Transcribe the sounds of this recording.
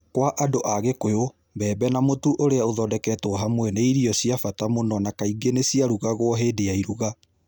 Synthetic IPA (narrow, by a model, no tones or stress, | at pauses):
kwaʔadoʔaɣekojo | mbɛːbɛnamotuʔoɾeaoðɔdɛkɛtwɔɦamwɛneiɾiɔsiafatamonɔnakaiɡenesiaɾuɣaɣoɔɦedeaiɾuɣa